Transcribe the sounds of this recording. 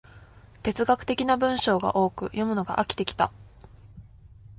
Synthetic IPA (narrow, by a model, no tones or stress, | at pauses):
t̪e̞t͡sɨɡakɯ̟̥t̪e̞kʲinabɯ̟̃ɰ̃ɕo̞ːɡa̰ʔo̞ːkɯ̟jo̞mɯ̟no̞ɡa̰ʔakʲi̥t̪e̞kʲi̥t̪a